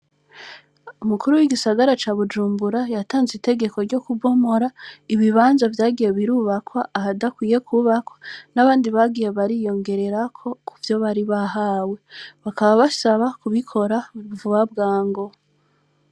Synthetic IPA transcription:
umukuɾuwiɡisaɡaɾat͡ʃaːβud͡ʒuːmbuɾajataːnzite̞ɡe̞ko̞ɾɟo̞kuɡo̞mo̞ɾaiβiβaːnzavjaːɡijeβiɾuːβakwaʔːhadakwiːje̞kuβakwanaβaːndiβaɡije̞βaɾijo̞ŋɡe̞ɾe̞ɾakʰo̞kuvjo̞βaɾiβaɦaːwe̞βakaβaβasaβakuβikʰo̞ɾauvuβab̚ɡaːŋɡo̞

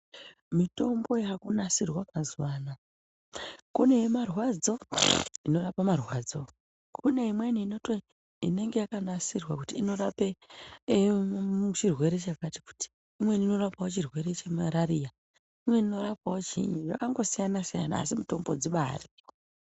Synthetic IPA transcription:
mito̞mbo̞ɦakunasirwakazuwaːna | kune̞jemarwad͡zo̞ino̞rapamarwad͡zo̞ | kʰune̞imwe̞niːno̞to | ine̞ŋɡejakanasirwakutiːno̞ɾape | ut͡ʃirwe̞ɾe̞t͡ʃakati̥ku̥ti̥ | imwenino̞rapawot͡ʃirwe̞ɾe̞t͡ʃemaɾaɾija | imwe̞nino̞rapawot͡ʃḭɲuʐa̰kaŋɡo̞sijanasija̰na̰ːsimito̞mbo̞d͡ziɓari

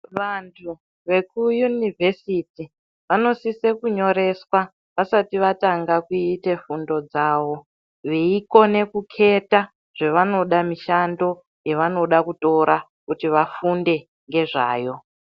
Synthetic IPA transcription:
ʋantʰu | ʋe̞kujunivesiti | ʋano̞sisekuɲo̞ɾe̞swa | ʋasatiʋataŋɡakuite̞fundo̞d͡zaːwo̞ | ʋeiko̞ne̞kukʰe̞ta | ʐ̥eʋano̞ɗamiʃando̞ | jeʋano̞ɗakuto̞ɾʔa | kutiʋafunde̞ | ŋɡe̞ʐa̰ːjo̞

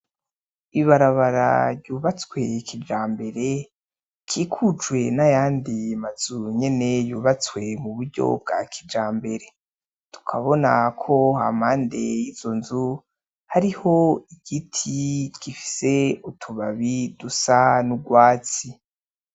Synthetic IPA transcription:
iβaɾaβaɾa̰ɾjuːβat͡swe̞kʰid͡ʒaːmbe̞ɾe̞ | kʰiːkʰut͡ʃwe̞najaːndiamaz̥uɲe̞ne̞juːβat͡swe̞muβuɾɟo̞̰b̚ɡa̰kʰid͡ʒaːmbe̞ɾe̞ | tʰu̥kʰaβo̞nakʰo̞ha̰maːnde̞jiz̥onzu | haɾiho̞iɡ̥itʰiɡ̥ifi̥se̞utʰuβaβidusanuɡwaːt͡si

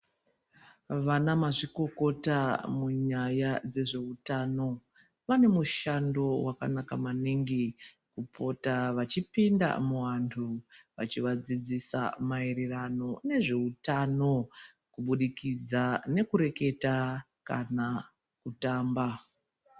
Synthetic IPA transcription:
ʋanamaʐiko̞ko̞tamuɲajad͡ze̞ʐe̞utaːno̞ | ʋane̞muʃando̞wakanakamaniŋɡi | kupo̞taʋat͡ʃipinda̰muʋantʰuʋat͡ʃiʋad͡zid͡zisa̰maeɾerano̞ne̞ʐe̞utano̞ | kuɓuɗikid͡zane̞kuɾe̞ke̞ta | kana | kutaːmba

